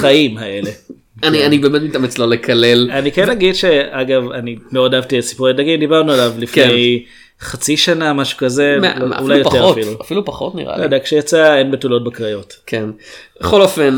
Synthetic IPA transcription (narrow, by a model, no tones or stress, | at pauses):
χaimhaele̞ | anianibemetmit̪amet͡slolekʰalelanikenaɡidʃeaɡavanimeodavtitsi̥puʁedaɡimdibaʁnualavlifkej | χat͡siʃanamaʃu̥kazemo̰ulajoeoatfiluafilupaχotnḭʁa̰liad̪ajkʃejat͡saenbetulo̞t̚bekʁajo̞tkʰenbeχolofen